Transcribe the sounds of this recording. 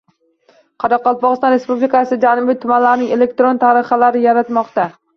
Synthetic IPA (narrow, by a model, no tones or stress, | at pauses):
qʰɑɾɒqːɒlˠpɒʁɨst̪ɒnɾe̞spublɪkasɪd͡ʒanɪbɪt̪ʰʊmanlaɾnɪŋe̞le̞k̚t̪ɾont̪ʰaɾɪχalaɾɪjaɾat̪mɒqt̪a